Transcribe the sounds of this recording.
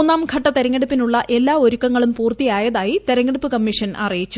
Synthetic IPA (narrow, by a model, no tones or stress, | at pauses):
nːaːmɡʰʱɐʈːɐt̪eɾɐŋːɐɽupːinuɭːɐʔe̞lːaːo̞ɾukːɐŋːɐɭumpuːrt̪ijaːjɐðaːjit̪e̞ɾɐŋːɐɽupːɨkɐmːiʂɐnʔɐ̰rijit͡ɕːu